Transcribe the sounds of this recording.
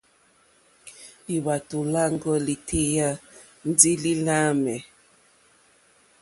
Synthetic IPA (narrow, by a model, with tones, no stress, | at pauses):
li˨βa˨tu˨la˦ŋɡɔ˦li˨tʰe˦ja˦ | n̩˦d͡zi˦li˦la˦mɛ˨